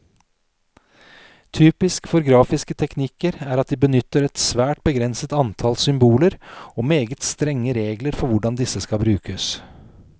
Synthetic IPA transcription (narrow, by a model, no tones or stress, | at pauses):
t̪ʰyːpɪskfɔɾɡɾɑːfɪskət̪ʰɛknɪkəɾæːɾɑt̪̚d̪iːbənʏt̪ːəɾɛt̪sʋæːʈ̚bəɡɾɛnsət̪ɑnt̪ʰɑlsʏmbuːləɾoːmeːɡət̪st̪ɾɛŋːəɾeːɡləɾfɔɾʋʊɖɑnd̪ɪsəskɑbɾʉːkəs